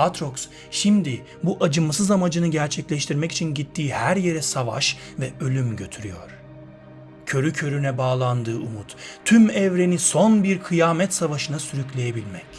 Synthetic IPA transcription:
at̪ɾoks | ʃimd̪i | buʔad͡ʒɯmasɯzamad͡ʒɯnɯɟæɾt͡ʃʰɛclʲɛʃt̪ʰiɾmɛci̥t͡ʃʰinɟit̪ʰːiːhæɾje̞ɾɛsava̰ʃ | vɛø̞lʲymɟø̞t̪ʰyɾyjo̰ɾ̥ | cʰø̞ɾycʰø̞ɾynɛbaːlˠand̪ɯːumut̪ʰːymɛvɾe̞niso̞nbiɾkʰɯjaːmɛt̪savaʃɯnasyɾyclʲe̞jebilʲmɛc

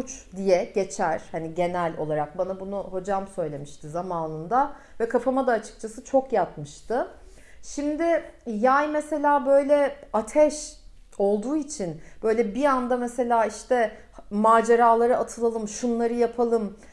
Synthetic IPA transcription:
ut͡ʃd̪ijɛɟe̞t͡ʃʰæɾ̥haniɟe̞nælʲo̞lˠaɾak̚banabunuho̞d͡ʒamsø̞jlʲe̞miʃt̪ʰɪzamaːnɯnd̪a | vɛkʰafamad̪aːt͡ʃʰɯ̥k̚t͡ʃʰasɯt͡ʃʰo̞kjapmɯʃt̪ʰɯ | ʃimd̪ɪjajmese̞lʲaːbø̞jlʲɛat̪ʰɛʃ | o̞lˠd̪uːit͡ʃʰinb̥ø̞jlʲɛbiand̪amese̞lʲaːiʃt̪ʰɛ | maːd͡ʒeɾaːlˠaɾɯʔat̪ʰɯlˠalˠɯmʃunlˠaɾɯjapʰalˠɯm

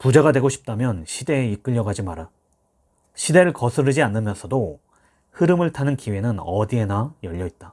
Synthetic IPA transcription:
pud͡ʑaɡadwe̞ɡoɕʰi̥p̚t͈amjʌnɕʰide̞ːik͈ɯʎːʌɡad͡ʑimaɾa | ɕʰide̞ɾɯɭkʌsʰɯɾɯd͡ʑianːɯmjʌnsʰʌdo | hɯɾɯmɯɭtʰanɯnkiwe̞nɯnʌdie̞najʌʎːʌit̚t͈a

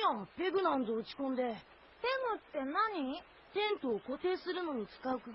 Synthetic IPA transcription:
ãpːe̞ɡɯ̟nãnd̪oɯ̟t͡ɕi̥kõ̞nd̪e̞ | teŋɯt̪ːenaɲi | t̪ẽ̞nt̪oːkot̪e̞ːsɨɾɯ̟no̞ɲ̟it͡sɨ̥kaɯ̟kɯɡ

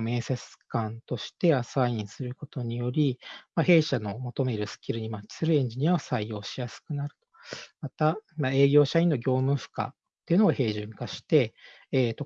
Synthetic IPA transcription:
me̞ːset͡sɨ̥kãnt̪o̞ɕi̥t̪e̞asaĩɰ̃sɨɾɯ̟ko̞t̪o̞ɲ̟ijo̞ɾʲimahe̞ːɕano̞mo̞t̪o̞me̞ɾɯ̟sɨ̥kʲiɾɯ̟ɲ̟imakʲːi̥sɨɾɯ̟ẽ̞ɲ̟d͡ʑiɲ̟iaosaijo̞ːɕijasɨ̥kɯ̟naɾɯ̟t̪o̞mat̪amae̞ːɡʲo̞ːɕaĩnːo̞ɡʲo̞ːmɯɸɯ̟̥ka̰ | t̪ːe̞iɯ̟noahe̞ːʑɨ̃ŋkaɕi̥t̪e̞ː | t̪ːo̞

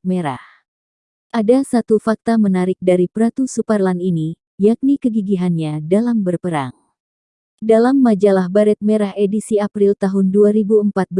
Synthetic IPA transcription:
meɾa̰h | ʔadasat̪ufak̚t̪amənaɾɪk̚daɾipɾat̪usuparlanini | jak̚nikəɡiɡiɦanɲadalambərpəɾaŋ | dalamːad͡ʒalahbaɾɛt̪̚meɾaɦedisiapɾilt̪aɦʊnduaɾibuəmpat̪̚b

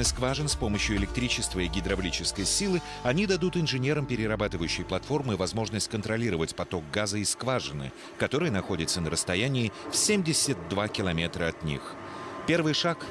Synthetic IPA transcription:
ɨskvaʐɨnspo̞məɕjʊɪlʲɪk̚t̪ɾʲit͡ɕɪst̪vəɪɡʲɪd̪ɾɐblʲit͡ɕɪskəjsʲilˠɨ | ɐnʲid̪ɐd̪ut̪ɨnʐɨnʲeɾəmpʲɪɾʲɪɾɐbat̪ɨvəjʉɕːɪjplˠɐt̪fo̞rmɨvɐzmo̞ʐnəsʲtʲkənt̪ɾɐlʲiɾəvətʲpɐt̪o̞k̚ɡazəɪskvaʐɨnɨ̰ | kɐt̪o̞ɾɨjənɐxo̞dʲɪt̪sənəɾəst̪ɐjænʲɪːfsʲemʲdʲɪsʲət̪̚d̪vakʲɪlˠɐmʲet̪ɾəɐt̪nʲḭx | pʲe̞rvɨjʂak

